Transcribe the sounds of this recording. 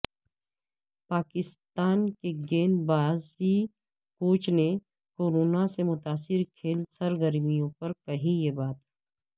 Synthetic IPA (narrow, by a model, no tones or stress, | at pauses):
paːkɪst̪aːnkeɡeːnbaːzi | kuːt͡ʃne | koːɾoːnasemʊt̪aːsɪɾkʰeːlsɐɾɡəɾmijõpɐɾkɐɦijebaːt̪ː